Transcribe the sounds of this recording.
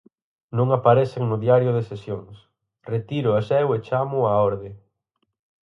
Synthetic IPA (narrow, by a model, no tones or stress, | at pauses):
nõŋapaɾɛθeŋnʊðjaɾjʊðesesjoŋs | ret̪iɾʊasɛwet͡ʃamʊaɔɾðɪ